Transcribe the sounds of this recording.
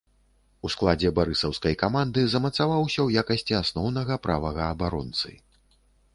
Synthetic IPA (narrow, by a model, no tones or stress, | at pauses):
usklˠad͡zʲɛbaɾɨsɐwskɐjkamand̪ɨzɐmɐt̪savawsʲɐwjakɐsʲt͡sʲiasnɔwnɐɣɐpɾʔavɐɣɐːbaɾɔnt̪sɨ̰